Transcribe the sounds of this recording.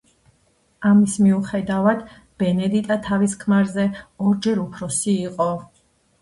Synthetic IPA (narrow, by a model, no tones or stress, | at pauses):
amismiuχɛd̪avad̪ | b̥ɛnɛd̪it̪ʼat̪ʰaviskʰmaɾzɛɔɾd͡ʒɛɾupʰɾɔsiːqʼɔ